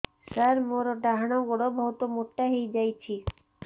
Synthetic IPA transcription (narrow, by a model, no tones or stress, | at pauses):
saɾmoɾoɖaɦanoɡoɽobʱɔɦot̪omoʈːaɦejd͡ʑajt͡ɕʰi